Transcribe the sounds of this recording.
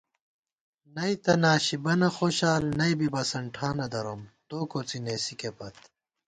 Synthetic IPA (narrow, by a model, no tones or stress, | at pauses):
nɐjt̪ɐnaːɕibɐnɐxoːɕaːlnɐjbibɐsɐɳʈʰaːnɐd̪ɐɾomt̪oːkot͡sineːsikepɐt̪